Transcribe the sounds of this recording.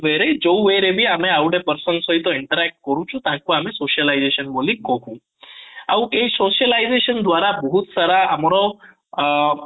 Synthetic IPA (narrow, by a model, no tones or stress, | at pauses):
ʋeɾed͡ʒouʋeɾebʱiameawɽepəɾsənsoɦit̪oɪɳʈəɾɛk̚ʈ̚kəɾũt͡ʃʰũt̪ãkũamesoʃəlaizeʃənbolĩkɔkũ | aʋũʔesoʃəlaizeʃənd̪ʋaɾabəɦut̪saɾaʔamɾo